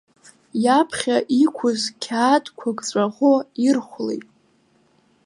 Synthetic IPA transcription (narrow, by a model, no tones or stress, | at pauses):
japʰχʲaʔikʷʰʊzkʲʰaːdʼkʷʰaɡʼt͡sʷʼaʁʷoirχʷlḛjtʼ